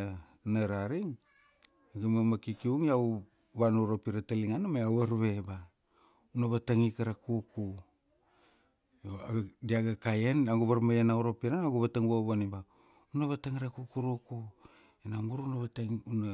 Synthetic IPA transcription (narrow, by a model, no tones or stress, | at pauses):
naɾaɾiŋ | aɡemamakikiuŋiaw | βanoɾopiɾataliŋanamajawaɾβe̞ba | unaβataŋikaɾakuku | oadiaɡakajenaɡuβaɾmajenauɾopiɾanaɡuβataŋboβaniba | unaβataŋaɾakukuɾuku | enamuɾunaβatauna